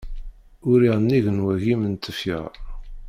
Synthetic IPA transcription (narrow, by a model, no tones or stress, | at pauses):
ʊɾiʁənːiʝənwæɣimənt̪əfə̰ʁ